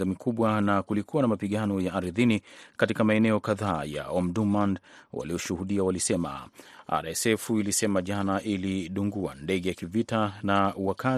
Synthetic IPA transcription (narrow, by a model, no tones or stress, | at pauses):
amikʰuɓwanakulikuwanamapiɠanɔjaʔːɾiðinikatikamaɛnɛɔkaðaːja̰ɔmdumandwa̰liɔʃuhuɗiawalisɛma̰a̰ɾɛsɛfuilisɛmaʄanaʔiliɗuŋɡua̰ndɛɠɛjakivitanawaka